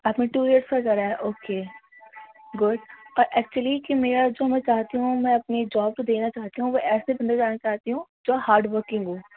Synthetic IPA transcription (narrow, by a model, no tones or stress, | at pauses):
ɐpnẽʈuːɾeːɾskɐkɐɾaɦɛʔoːkeː | ɡʊɖɔːɾʔɛːk̚t͡ʃuəlikimeːɾad͡ʒoːmɛ̃t͡ʃaːɦt̪iɦũmɛ̃ɐpned͡ʒɔːb̚kod̪eːnat͡ʃaːt̪iɦũʋoʔɛːsebɐnd̪ed͡ʒaːnat͡ʃaːɦt̪iɦũd͡ʒoːhaːɾɖʋəɾkɪ̃ŋɡoː